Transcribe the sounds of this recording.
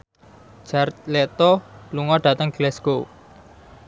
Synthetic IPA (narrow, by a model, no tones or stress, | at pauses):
d͡ʒ̥art̪lɛt̪ɔluŋɔɖ̥ä̤t̪əŋɡ̥lɛsko